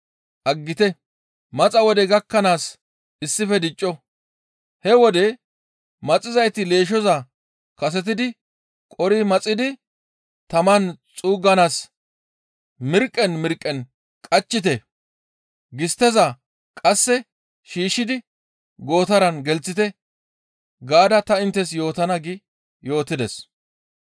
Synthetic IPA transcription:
ʔɐɡːɪt̪ɛ | mɐt͡sʼɐwɔd̪ɛɡɐkːɐnaːs | ɪsːɪfɛd̪ɪt͡ʃʼːɔ | hɛwɔd̪ɛ | mɐt͡sʼɪzɐjt̪ɪle̞ːʃ̬ɔzɐ | kɐs̬ɛt̪̬ɪd̪ɪ | kʼɔɾɪmɐt͡sʼːɪd̪ɪ | t̪ɐmɐnt͡sʼuːɡɐnaːs | mɪɾkʼːɛnmɪɾkʼːɛn | kʼɐt͡ʃːɪt̪̬ɛ | ɡɪst̪ɛzɐ | kʼɐsːɛ | ʃiːʃːɪd̪ɪ | ɡo̞ːt̪ɐɾɐnɡɛlt͡sːɪt̪ɛ | ɡaːd̪ɐt̪ɐɪnt̪ːɛsjo̞ːt̪ɐnɐɡɪ | jo̞ːt̪ːɪd̪ɛs

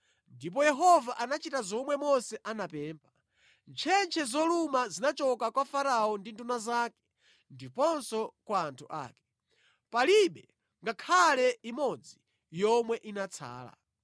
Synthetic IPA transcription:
ndip̬ɔjɛɦɔvaʔanat͡ʃitazɔmwɛmɔsɛʔanapɛːmpʰḁ | nt͡ʃʰɛnt͡ʃʰɛzɔlumazinat͡ʃɔkakwafaɾaɔndindunazakɛ̥ | ndipɔnsɔkwaːntʰuʔa̰ːkɛ̥ | paliɓɛ | ŋɡakʰalɛimɔd͡zi | jɔmwɛʔinat͡sʰa̰ːla̰

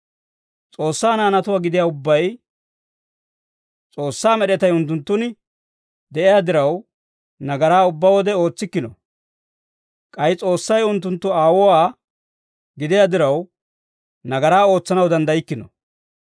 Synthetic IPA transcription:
t͡sʼo̞ːsːaːnaːnɐt̪ʊwaːɡɪd̪ɪjaːʊbːɐj | t͡sʼo̞ːsːaːmɛɗɛt̪ɐjʊnt̪ːʊnt̪ːʊnɪ | d̪ɛʔɪjaːd̪ɪɾɐw | nɐɡɐɾaːʊbːawɔd̪ɛo̞ːt͡sːɪkːɪnɔ̰ | kʼɐjɪt͡sʼo̞ːsːɐjʊnt̪ːʊnt̪ːʊaːwɔwaː | ɡɪd̪ɪjaːd̪ɪɾɐw | nɐɡɐɾaːo̞ːt͡sːɐnɐwd̪ɐnd̪ɐjɪkːɪnɔ̰

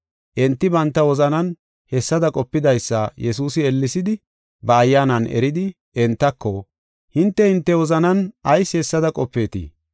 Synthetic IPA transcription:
ʔɛnt̪ːɪbɐnt̪ːɐwɔzɐnɐn | hɛsːɐd̪ɐkʼɔpːɪd̪ɐjsːɐjɛsuːsɪɛlːɪsɪd̪ɪ | bɐːjːaːnɐnʔɛ̰ɾɪd̪ɪ | ɛnt̪ːɐkːɔ | hɪnt̪ːɛhɪnt̪ːɛwɔzɐnɐnɐjsːɪhɛsːɐd̪ɐkʼɔpːeːt̪ḭ

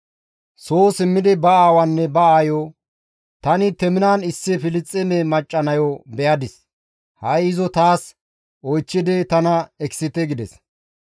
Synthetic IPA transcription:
soːsɪmːɪd̪ɪbɐaːwɐnːɛbɐaːjo | t̪ɐnɪt̪ɛmɪnaːnɪsːɪfɪlɪt͡sʼːɛmemɐt͡ʃʼːɐnɐjɔbɛjɐd̪ɪs | hɐjɪzɔt̪aːs | ʔɔjt͡ʃːɪd̪ɛt̪ɐnɐɛksɪt̪ɛɡɪd̪ɛs

